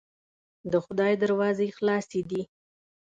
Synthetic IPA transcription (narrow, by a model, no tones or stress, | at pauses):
d̪əxʊd̪ɑjd̪əɾwɑzexlɑsed̪i